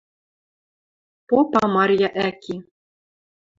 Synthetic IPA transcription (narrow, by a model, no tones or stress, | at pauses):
popɑmɑrʲjɑʔækʲi